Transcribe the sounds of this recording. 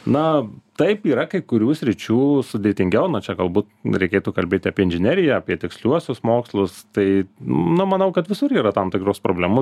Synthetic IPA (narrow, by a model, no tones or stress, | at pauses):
nɐt̪ɐɪpiːɾɐkɐɪkʊɾʲuːsʲɾʲɪt͡ʃʲuːsʊd̪ʲeːt̪ʲɪŋʲɡʲɛʊnɐt͡ʃʲɛɡɐlˠbuːt̪ɾʲɛɪkʲeːt̪uːkɐlʲbʲeːt̪ʲɪɐːpʲiɛɪnʲʒʲɪnʲæːɾʲɪjɛɐpʲiɛt̪ʲɪksʲlʲuɔsʲʊsmoːkslˠʊst̪ɐɪ̰nʊmɐnɐʊkɐt̪ʋʲɪsʊɾiːɾɐt̪ɐmt̪ʲɪkɾʊspɾoːbʲlʲɛmʊ